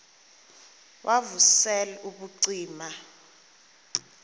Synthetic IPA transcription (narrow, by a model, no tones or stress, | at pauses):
wʔavusɛlɛʔuɓuǀiːma